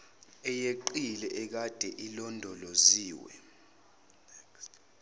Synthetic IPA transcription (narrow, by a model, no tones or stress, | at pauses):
ɛjeǃilɛʔɛk̬ad̥ʱɛʔilɔndʱɔloziːwɛ̰